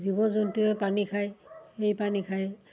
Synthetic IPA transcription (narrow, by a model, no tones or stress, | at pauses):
zibɔzontuɛpanikʰajejpanikʰaj